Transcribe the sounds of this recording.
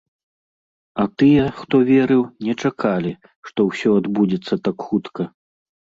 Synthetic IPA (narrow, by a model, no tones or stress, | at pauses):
ɐt̪ɨjɛxt̪ɔvʲɛɾɨwnʲɛt͡ʂakʰalʲi | ʂt̪ɔwsʲɔad̪bud͡zʲɛt̪sːɐt̪akxut̪kɐ